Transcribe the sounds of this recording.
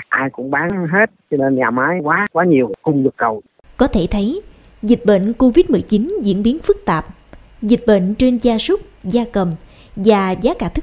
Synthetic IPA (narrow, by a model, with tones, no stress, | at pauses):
ʔaː˧jkʊ̰˧˥ŋ͡mɓaː˨˦ŋɦe˦˥t̚t͡ɕɔ˧ne˧nɲaː˨˩maː˨˦jkwaː˨˦kwaː˨˦ɲi˨˩əwkʊ˧ŋ͡mlɨ˨˩k̚ɗə˨˩w | kɔ˨˦t̪ʰe˧˩t̪ʰə˨˦j | zi˨˩t̟̚ɓə̰˧˨n̟ko˧vi˦˥t̚mɨ˨˩jt͡ɕi˨˦nzḭ˧˥ənɓi˨˦ənfɨ˦˥k̚t̪aː˨˩p̚ | zï˨˩t̟̚ɓə̰˧˨nt͡ɕe˧nzaː˧sʊ˦˥k͡p̚zaː˧kə˨˩m | vaː˨˩zaː˨˦kaː˧˩t̪ʰɨ̥˦˥